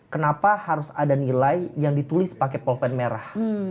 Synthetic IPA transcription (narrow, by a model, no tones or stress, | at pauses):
kənapahaɾʊsadanilajjaŋdit̪ulɪspakɛpɔlfɛnmeɾah